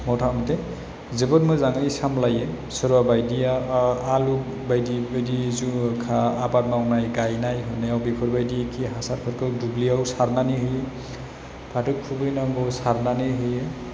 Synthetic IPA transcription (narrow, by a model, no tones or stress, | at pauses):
mɔtʰamtʰɛ | zebɔtmɯjzaŋɯjsamlajɛ | sɔɾuabajdijaaluk | bajdibajdizukʰaːbat̚mawnajɡajnajɦɔnɛawbikʰɔɹbajdiekʰiɦasatpʰat̚kʰɔwdubliawsaɾnanihɯjɛ | pʰatʰɯkʰubɯjnaŋɡɔwsaɾnaniɦɯjɛ